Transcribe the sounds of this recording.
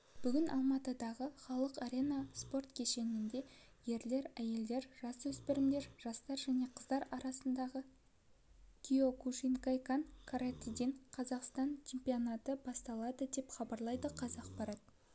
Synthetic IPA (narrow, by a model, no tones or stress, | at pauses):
b̥ʏɡʲɪnʔɑ̰lˠmɑt̪əd̪ɑʁəχɑlˠəqaɾʲe̞nɑspo̞rt̪kʲʰe̞ʃe̞nɪnd̪e̞je̞ɾle̞ɾæje̞ld̪e̞ɾʒɑswɵspeɾɪmd̪e̞ɾʒ̥ɑst̪ɑɾʒæne̞qʰəzd̪ɑɾɑɾɑsənd̪ɑʁə | kʲio̞kuʃiŋkajkankʰaɾat̪id̪eŋqʰɑzɑqst̪ɑnt͡ʃʰempijonat̪əbɑst̪ɑlˠɑd̪əd̪e̞pχɑbɑɾlˠɑjd̪əqʰɑzɑq̚pɑɾɑt̪̚